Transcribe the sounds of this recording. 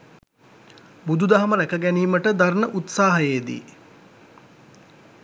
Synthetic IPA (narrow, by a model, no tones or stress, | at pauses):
bud̪ud̪aɦaməɾækəɡæniːməʈəd̪aɾnəʔut̪saːɦəjed̪ḭ